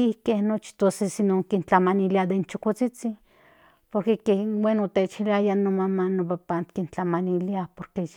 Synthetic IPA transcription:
ihkehnot͡ʃi̥t̪osesinoŋkint͡ɬamaniliad̪ent͡ʃokot͡sit͡sin | poɾkekewenot̪et͡ʃiliajanomamanopapant̪kint͡ɬamaniliapoɾke

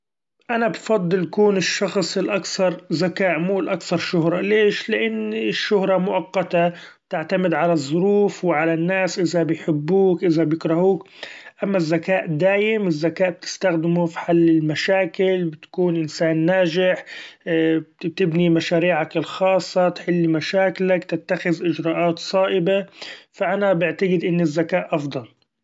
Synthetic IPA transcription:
ʔanabfɑd̪ˤːɨljkuːnɪʃːɑxsˤɪlʔakθɑɾˤzakaːʔmuːlʔakθɑɾˤʃʊɦɾˤɑleːʃlɪʔanːɪʃːʊhɾˤɑmʊʔɑqːɑt̪ab̚t̪ɪʕt̪amɪd̪ʕalazˤːʊɾuːfwɪʕalanːaːsʔɪðabɪjħɪbːuːkʔɪzabjɪkɾˤɑhuːkʔamːazːakaːʔd̪aːʔɪmɪzːakaːʔb̥̚t̪ɪ̥st̪axd̪ɪmufi̥ħalːɪlmaʃaːkɪlbɪt̪kuːnʔɪnsaːnːaːʒɪħ | t̪ɪbnimaʃaːɾiːʕakɪlxɑːsˤːɑt̪ħɪlːimaʃaːklakt̪ɪt̪ːaxɪðʔɪd͡ʒɾɑːʔaːt̪sˤɑːʔɪbafaʔanabɪʕt̪aɡɪd̪ʔɪnːɪzːakaːʔʔɑfd̪ˤɑl

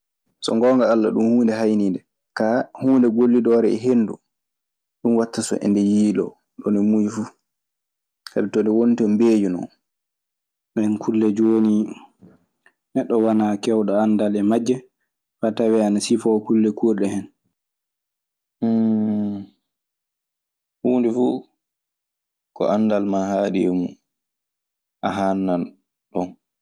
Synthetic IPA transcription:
sɔ̰ŋɡɔːŋɡaalːa̰ɗumhuːndɛɦajnindɛ | kahuːndɛɡolːidɔːɾɛɛ̰ɦenːdṵ | ɗunwatːasɔ̰ʔɛ̰ndɛjiːlɔ̰ | ɗɔnɛmujifu | sa̰bɛtɔndɛwonitɔmbeːjunɔ̰n | bɛnkʰulːɛd͡ʒoːni | nɛɗːɔwanakɛwɗaandalɛmad͡ʒːɛ | fatawɛanasifɔkulːɛkuɗɛhɛn | huːndifu | kɔ̰ʔandalmahaːɗimu | ʔaɦanːan | ɗɔn

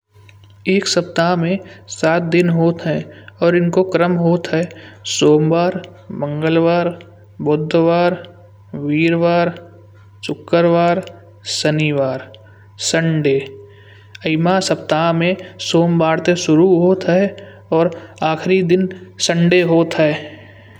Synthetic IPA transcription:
eːksəpt̪aːɦmẽsaːt̪̚d̪ɪnɦoːt̪ɦɛɔːɾɪnkokɾəmɦoːt̪ɦɛsoːmbaːɾmə̃ŋɡəlʋaːɾ | bod̪ʱːʋaːɾ | ʋiːɾʋaːɾ | sʊkːəɾʋaːɾ | səniʋaːɾ | sə̃ɳɖe | əɪmasəp̚t̪aːmẽsoːmbaːɾt̪eʃʊɾuɦoːt̪ɦɛː | ɔːɾaːxʰɾid̪ɪnsə̃ɳɖeɦoːt̪ɦɛː

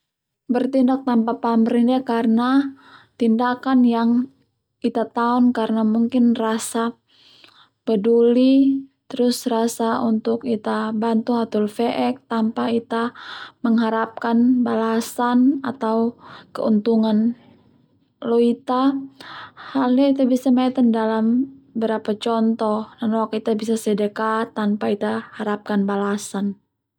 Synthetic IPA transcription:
bərt̪indak̚t̪ampapaməɾindɛkarəna | t̪indakanjaŋ | it̪at̪aɔnkaɾənamuŋkɪnrasa | pədulit̪əɾʊsrasaunt̪ʊkit̪abant̪uhat̪ʊlfeʔɛk̚t̪ampait̪aməŋɦaɾap̚kanbalasanat̪awkə̰unt̪uŋan | loit̪a | halɲait̪abisamait̪andalambəɾapat͡ʃɔnt̪ɔhdanowak̚it̪abisasədəkat̪ːanpait̪ahaɾap̚kanbalasan

